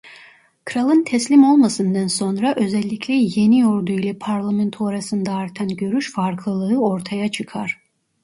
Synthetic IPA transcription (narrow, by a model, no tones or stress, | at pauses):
kʰɯɾalˠɯnt̪ʰɛslʲimo̞lˠmasɯnd̪anso̞nɾaʔø̞zɛlʲːicʰlʲɛje̞nijo̞ɾd̪uilʲɛpʰaɾlˠamɛnt̪ʰoɾasɯnd̪aːɾt̪ʰanɟø̞ɾyʃfaɾkʰlˠɯlˠɯɯo̞ɾt̪ʰajat͡ʃʰɯkʰaɾ̥